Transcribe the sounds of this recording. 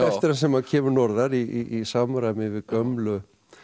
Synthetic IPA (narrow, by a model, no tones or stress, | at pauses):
ɛst̪ɪɾansɛmaðcʰɛːmʏɾnɔɾðaɾiiisaːmɾamɪvɪðkœmlʏ